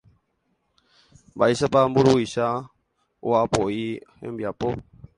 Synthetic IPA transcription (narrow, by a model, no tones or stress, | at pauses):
baiʃapambuɾuiʃa | oapoihḛ̃mbiapo